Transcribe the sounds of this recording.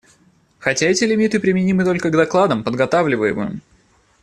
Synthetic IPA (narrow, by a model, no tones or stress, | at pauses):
xɐtʲaɛtʲɪlʲɪmʲit̪ɨpɾʲɪmʲɪnʲimɨt̪o̞lʲkəɡd̪ɐklˠad̪əmpəd̪ɡɐt̪avlʲɪvəjɪ̰mɨ̰jɪ̰m